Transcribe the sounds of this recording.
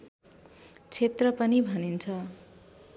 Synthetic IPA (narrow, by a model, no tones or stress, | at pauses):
t͡sʰet̪rʌpʌnibʱʌnint͡sʰʌ